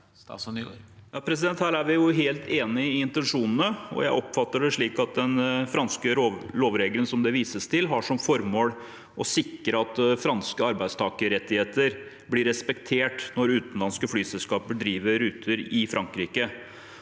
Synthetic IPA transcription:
jɑːpʰɾɛs̬ɪd̪ɛnt̪hæːɾæɾʋɪjʊɦeːlt̪ʰeːnɪɪɪnt̪ɛnʂuːnən̩əɔ̰jæɪʔɔpːfɑt̪ːəɖɛʂɭiːkɑt̪̚d̪ɛnfɾɑnskəloːʋɾeːɡələnsɔmd̪ɛʋiːsəst̪ʰɪlɦɑʂɔmfɔɾmoːl | ʔɔsɪkːɾəɑt̪fɾɑnskəɑɾbæɪst̪ʰɑːkəɾɛt̪ːɪheːt̪əɾ | blɪɾɛspɛkt̪ʰeːʈnɔɾʉːt̪ənlɑnskəflyːsɛlskɑːpəɖ̪ɾiːʋəɾʉːt̪ʰəɾɪfɾɑŋkɾiːkə

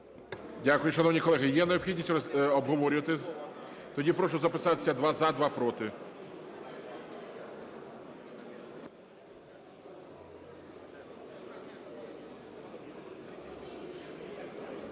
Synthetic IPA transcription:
dʲakʊjʊʃɐnɔwnʲikɔlˠɛɦɪjɛnɐjɔpxʲidʲnʲisʲtʲɔɔbɦɔʋɔɾʲʊʋɐt̪ɪ | t̪ɔdʲipɾɔʃʊzɐpɪsɑt̪ɪ̥sʲɐd̪ʋɑzɐd̪ʋɑpɾɔt̪ɪ

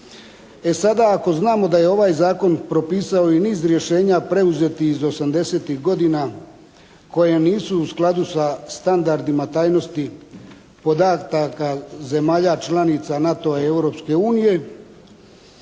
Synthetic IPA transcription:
e̞sad̪aːko̞znaːmo̞d̪aje̞o̞ʋaːjzaːko̞npɾo̞piːsao̞iniːzɾje̞ʃe̞ːɲapɾe̞uze̞t̪iizo̞samd̪e̞se̞ːt̪ixɡo̞d̪ina | ko̞jeniːsuːsklˠad̪usast̪and̪aɾd̪imat̪aːjno̞st̪i | po̞d̪at̪akaze̞maːʎat͡ʃlanit̪sanat̪o̞aewɾo̞pske̞uːnije̞

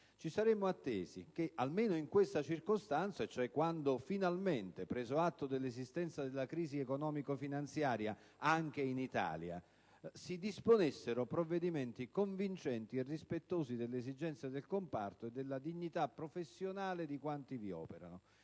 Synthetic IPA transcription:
t͡ʃisaɾemːoat̪ːḛːzḭk̟eʔalmeːnʊiŋkwest̪at͡ʃirkost̪ant̪saet͡ʃoɛkːwand̪ofinalment̪epɾɛːzoat̪ːod̪elːezist̪ɛnt̪sad̪elːakɾiːziɛkonɔːmikofinant̪sjaːɾja | aŋk̟einit̪a̰ːlja̰ | sid̪isponesːeɾopɾovːed̪iment̪ikoɱvint͡ʃɛnt̪ierːispet̪ːoːzid̪elːezid͡ʒɛnt̪sjad̪elkompa̰rt̪oed̪ːelːad̪iɲːit̪apːɾofesːjonaːled̪ikwant̪iviɔ̰ːpeɾa̰no

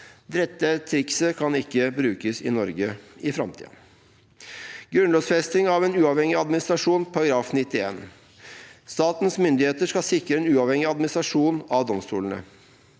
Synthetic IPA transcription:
d̪ɾɛt̪ːət̪ʰɾɪksəkʰɑnɪkːəbɾʉːkəsɪ̰nɔɾɡəɪfɾɑmt̪ʰḭː | ɡ̥ɾʉnlɔːsfɛst̪ɪŋɑʋeːnʉːɑʋhɛŋɪɑd̪mɪnɪst̪ɾɑʂuːnpʰɑɾɑɡɾɑːfnɪt̪ːɪḛːn | st̪ɑːt̪nsmʏnd̪ɪheːt̪əʂkɑlsɪkɾəeːnʉːɑʋhɛŋɪɑd̪mɪnɪst̪ɾɑʂuːnɑʋd̪ɔmst̪ṵːlən̩ə̰

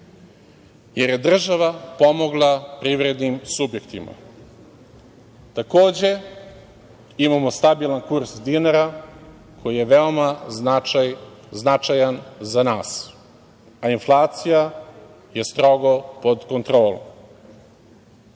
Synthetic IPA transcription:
jeɾje̞d̪r̩ʒaʋapo̞mo̞ɡlˠapɾivɾe̞d̪nimsubje̞kt̪ima̰ | t̪ako̞ːd͡ʑe̞ | imamo̞st̪abilˠankuɾsd̪inaɾa | kʰo̞jije̞ʋeomanaajznat͡ʃajanzanaːs | ainflˠaːt̪sija | je̞st̪ɾo̞ɡo̞po̞d̪ko̞nt̪ɾo̞ːlo̰m

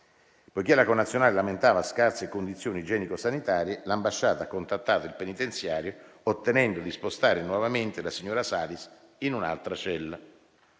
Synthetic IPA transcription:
pojkelːakonːat̪sjonaːlelament̪aːvaskarsekond̪it̪sːjoːnid͡ʒɛːnikosanit̪aːɾjelambaʃːaːt̪akːont̪at̪ːaːt̪oilpenit̪ent̪sjaːɾjoot̪ːenɛnd̪od̪ispost̪aːɾenwɔvament̪elasiɲːoːɾasaːlis | inuna̰lt̪ɾat͡ʃɛlːa

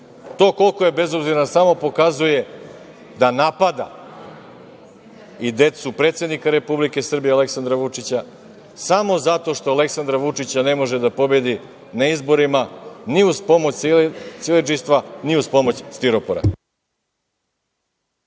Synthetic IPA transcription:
t̪o̞ːko̞lkoje̞be̞zo̞bziɾnasamo̞po̞kazuje̞ | d̪anapad̪a̰ | id̪e̞t̪supɾet̪sʲe̞d̪nikaɾe̞publike̞sr̩bijeale̞ksand̪ɾaʋut͡ʂit͡ɕa | samo̞zat̪o̞ʂt̪oale̞ksand̪ɾaʋut͡ʂit͡ɕane̞mo̞ʒed̪apo̞bje̞d̪i | naizbo̞ɾimaniuzpo̞mot͡ɕt̪silit͡ʂist̪ʋaniuzpo̞mo̞t͡ɕst̪iɾopoɾa̰

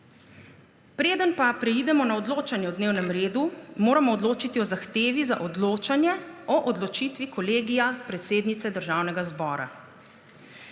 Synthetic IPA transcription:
pɾeːd̪ənpapɾɛid̪ɛmɔnaɔd̪loːt͡ʃanjɛɔd̪neːwnɛmɾeːd̪umoːɾamɔːd̪loːt͡ʃit̪iɔzaxt̪eːʋizaʔɔd̪loːt͡ʃanjɛɔʔɔd̪lɔt͡ʃiːt̪ʋikɔleːɡijapɾɛt̪seːd̪nit̪sɛd̪əɾʒawnɛɡazbɔːɾa̰

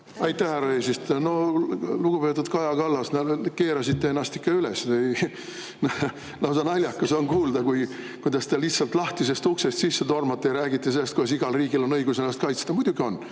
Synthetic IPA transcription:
ɑjt̪ːˑæhhæɾɑeːsist̪no̞luɡ̥upe̞t̪ːˑud̪kɑjɑkɑlːɑsnæke̞ːɾɑsit̪ːeenːɑst̪ikːɑylesej | n | lɑws̬ɑnɑlʲjɑkːɑsonkuːld̪ɑkujkujd̪ɑst̪eliht̪sɑlt̪lɑht̪ise̞st̪uksest̪sisːe̞t̪o̞rmɑt̪ːejɾæːɡit̪ːˑese̞lːest̪̚kud̪ɑs̬iɡ̥ɑlriːɡ̥ilo̞nɤjɡuselːɑst̪kɑjt̪st̪ɑmud̪̥ʲuɡio̞nː

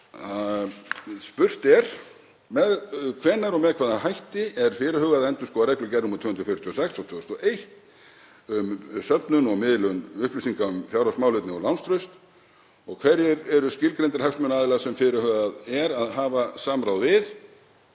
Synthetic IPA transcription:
a | spʏr̥t̪ɛɾ̥ | mɛðkʰvɛnːaɾɔɣmɛðkʰvaːðahajht̪ɪɛɾ̥fɪːɾʏhœːɣaðaɛnt̪ʏskɔːaɾɛklʏcɛrːʏmʏt̪ʰʏhʏnɾʏfɪɾt̪ʰiːɔsɛksat̪ʰʏːɔst̪ɔʔejht̪ | ʏmsœpnʏnɔɣmɪðlʏnʏhplisiŋkaʏmfjawɾasmawlʏt̪nɪɔlawnst̪ɾʏɥst̪ | ɔɣkʰvɛɾjɪɾɛɾʏscɪlkɾent̪ɪɾ̥hafst̪mʏnaːðɪlaɣsɛmfɪɾʏhœːɣaðɛɾaðɦaːvasaːmɾawðvɪð

